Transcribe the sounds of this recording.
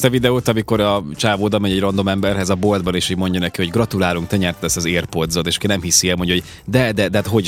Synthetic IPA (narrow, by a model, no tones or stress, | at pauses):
st̪ɛvid̪ɛoːt̪ɒmiko̞ɾɒt͡ʃaːvoːd̪ɒmɛjɛɟro̞nd̪o̞mɛmbɛrɦɛzɒbold̪̚bɒneːʃhoːɟmo̞ɲɟɒnɛkiho̞ɟɡrɒt̪ulaːluŋk̚t̪ɛɲɛrt̪lɛsɒzeːrpod̪zot̪eːʃɒ̥kinɛmhisiɛlmo̞ɲɟoɦo | d̪ɛd̪ɛd̪ɛat̪ɦo̞ɟ